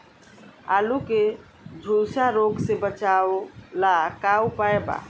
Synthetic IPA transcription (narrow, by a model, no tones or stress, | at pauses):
a̰luke | d͡ʒʱulsaɾoɡsebət͡ʃawolakawpaeba̰